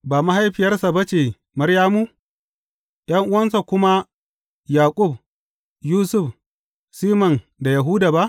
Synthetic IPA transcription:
baː˨ma˦ɦa˦jɸɪ˨jɐ˦rsa˨bɐ˦t͡ʃeː˨ | mɐ˦ɾjaː˦mu˦ | j̰ɐ˦ŋʔʊ˦wɐ˦nsa˨kʷʊ˦ma˦ | jaː˨kʷʼʊ˦˨b | juː˦sʊ˦˨ɸ | siː˦mɐ˨n | da˨ja˨ɦuː˦daː˨ba˦ʔ

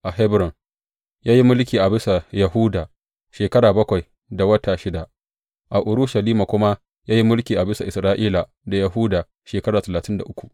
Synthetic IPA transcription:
ʔa˨ɦɛ˦bɾɔ˨ŋ | jaː˦ji˦mʊ˦lk̬ʲiː˨ʔa˨bɪ˦sa˨jɐ˨ɦu˦daː˨ | ʃeː˨kɐ˦ɽaː˨bɐ˦kʷa˨j | da˨wɐ˦tʰaː˨ʃɪ˦da˨ʔ | ʔa˨ʔʊ˨ɾʊ˦ʃa˨liː˦ma˨kʷʊ˦ma˦ | jaː˦ji˦mʊ˦lkʲiː˨ʔa˨bɪ˦sa˨ʔɪ˨sɾaː˦ʔiː˦la˨ | da˨jɐ˨ɦu˦daː˨ | ʃeː˨kɐ˦ɽaː˨tɐ˨laː˨tɪ˦nda˨ʔʊ˦kʷu̥˨

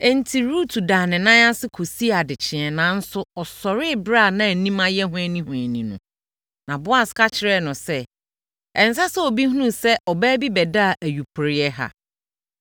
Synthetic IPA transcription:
ɛ˨n̩˨tʰi˨ɾu˦tʰu˨daː˨nɪ̃˨nã˦ã˦sɪ˦kʰo˨si˦a˨dɪ˨t͡ɕʰɪ̃˨ɛ̃˨nã˨˦n̩˦sʊ˦ɔ˨sɔ˨ɾɪ˦˨bɾa˦˨nã˦˨nĩ˦mã˦jɛ˦ɦʊ̃˦ɛ˦nĩ˦hʊ̃˨æ˨nĩ˨nʊ̃˨ | nã˨bʊ˦a˦skʰa˦t͡ɕʰɪ˨ɾɛ˦˨nʊ̃˨sɛ˦ | ɛ˨n˨sa˦sɛ˦o˨bi˦hũ˦nũ˦sɛ˦ʔɔ˨bæː˦bi˦bɛ˨da˦˨ʔæ˨ju˨pʰʊ˨ɾɪ˦ɛ˦ɦa̰˦˨

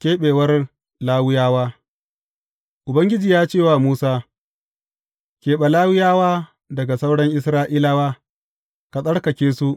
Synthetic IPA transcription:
kʲeː˦ɓeː˨wɐ˦r | laː˦wʊ˦jaː˦waː˦ | ʔʊ˨bɐ˦ŋɡʲɪ˦d͡ʒiː˨jaː˦t͡ʃeː˦˨waː˨muː˦saː˦ | kʲeː˨ɓa˨laː˦wʊ˦jaː˦waː˦ | dɐ˨ɡa˨sa˦wɽɐ˦ŋʔɪ˦sɾaː˦ʔiː˦la˦waː˦ | ka˨sʼɐ˦ɽkɐ˨kʲeː˦su˦ʔ

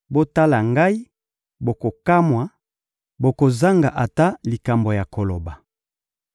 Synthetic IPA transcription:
bo˦ta˦la˨ŋɡa˦i˦ | bo˨ko˨ka˦mwa˨ | bo˨ko˨za˦ŋɡa˨ʔa˨ta˦li˨ka˨mbo˨ja˨ko˨lo˨ba˨

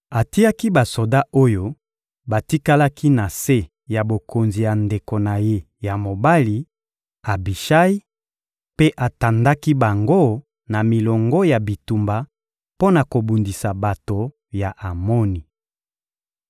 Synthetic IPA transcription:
a˨ti˦ja˦ki˦ba˨so˨da˦ʔo˦jo˦ | ba˨ti˦ka˦la˦kʰi˦na˨se˦ | ja˨bo˨ko˨nzi˨ja˨nde˨ko˨na˨je˦ | ja˨mo˨ba˦li˦ | a˨bi˨ʃa˦i˦ | pe˦ʔa˨ta˨nda˦ki˦ba˨ŋɡo˦ | na˨mi˨lɔ˨ŋɡɔ˦ja˨bi˨tu˨mba˨ | po˦na˨ko˨bu˨ndi˨sa˨ba˨to˨ | ja˨ʔa˨mɔ˦ni˨

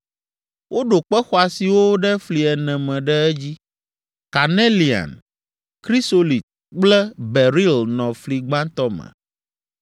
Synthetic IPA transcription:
wʔo˦ɖo˨k͡pɛ˦xɔ˦a˨si˨wo˦ɖɛ˦fli˨ɛ˨nɛ̃˨mɛ̃˨ɖɛ˦ɛ˦d͡ʑi˦ | ka˨ne˦li˨a̰˨n | kɾi˦so˦li˨t̪̚ | k͡plɛ˦bɛ˨ɾi˦lnɔ̃˨fli˨ɡ͡bã˦nt̪ɔ˦mɛ̰̃˨

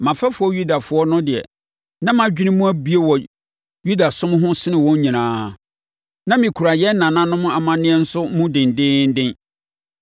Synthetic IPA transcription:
mã˨fa˦fʊ˨˦ɔ˦ju˦da˨fʊ˦ɔ˦nʊ̃˦dɪ˨ɛ̰˨ | nã˦mã˨d͡ʑᶣi˦nɪ̃˦mũ˦æ˦bi˦e˦wɔ˨ | ju˦da˨sʊ̃˦m̃˦ɦʊ̃˦sɪ˦nɪ̃˨wɔ̃˦ɲɲĩ˨nãː˦˨ | nã˦mĩ˨kʰu˨ɾa˨jɛ˦n̩˦nã˨nã˦nʊ̃˦mʊ̃˦ʔa˨mã˨nɪ̃˦ɛ˦n̩˦sʊ˦mũ˦dɪ̃˨n̩˨dɪ̃˦n̩˦dɪ̃˦n

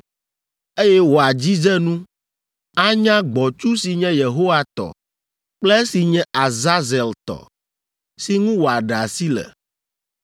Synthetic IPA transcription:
e˦jɛ˦wo˨a˨d͡ʑi˦d͡ʒɛ˦nũ˦ | a˦ɲã˦ɡ͡bɔ˨t͡ʃu˦si˨ɲɛ̃˦je˨ɦo˦wa˨t̪ɔ̰˨ | k͡plɛ˦e˦si˨ɲɛ̃˦a˨za˦zɛ˨lt̪ɔ̰˨ | si˨ŋũ˦wo˨a˨ɖa˨si˦lɛ̰˨

